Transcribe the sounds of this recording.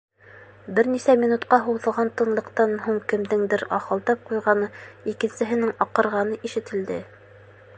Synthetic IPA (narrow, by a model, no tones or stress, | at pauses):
bɘɾnisæmʲinut̪qɑɦuwðɤ̆ʁɑnt̪ɤ̆nlˠɤ̆qt̪ɑnɦuɴkɘ̆md̪ɘŋd̪ɘɾɑ̰χɤ̆lˠt̪ɑp̚qujʁɑnɤikɘ̆nsɘ̆ɦɘ̆nɘŋɑqɤ̆ɾʁɑnɤʔiʃɘ̆t̪ɘ̆ld̪ɘ